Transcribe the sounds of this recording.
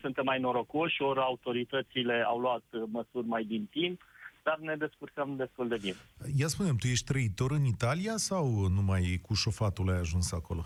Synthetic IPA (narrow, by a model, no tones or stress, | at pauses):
sunt̪e̞mːajno̞ɾo̞ko̞ʃʲo̞ɾʲaut̪o̞ɾit̪ət̪sile̞awluat̪məsurʲmajd̪int̪impd̪arne̞d̪e̞skurk̪amd̪e̞st̪uld̪e̞binejaspunemt̪uje̞ʃt̪ʲt̪ɾəit̪o̞ɾɨnit̪aliasawnumajkuʃo̞fat̪ulajaʒunsako̞lo̞̰